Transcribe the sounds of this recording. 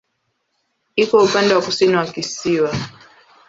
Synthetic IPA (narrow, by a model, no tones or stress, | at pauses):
ikɔupandɛwakusiniwakisiwa